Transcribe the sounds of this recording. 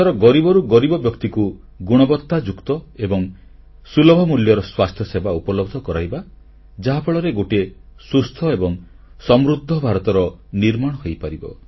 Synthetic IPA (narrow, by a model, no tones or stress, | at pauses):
aɾɔɡɔɾibɔɾuɡɔɾibɔbjɔkt̪iku | ɡuɽ̃ɔbɔt̪ːad͡ʒukt̪ɔebɔŋ | sulɔbʱɔmuljɔɾɔswast̪ʰjɔsebaupɔlɔb̚d̪ʱɔkɔɾajba | d͡ʒaɦapʰaɭɔɾeɡoʈiesust̪ʰɔebɔŋ | sɔmɾud̪ʱːɔbʱaɾɔt̪ɔɾɔniɾmaɽ̃ɔɦojpaɾibɔ̰